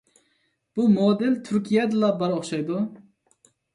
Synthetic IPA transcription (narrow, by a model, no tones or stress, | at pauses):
b̥umod̪ɛlt̪ʰyɾkʲʰijɛd̪ɨlˠɑbɑɾoχʃɑjd̪u